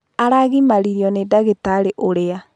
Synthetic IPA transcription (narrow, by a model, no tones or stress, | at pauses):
aɾaɣimaɾiɾiɔnedaɣetaɾeʔoɾea